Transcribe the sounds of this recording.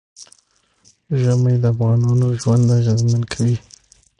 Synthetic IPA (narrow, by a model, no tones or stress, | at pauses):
ʒəmajd̪əafɣɑnɑnoʒwand̪aʒazmankʰawi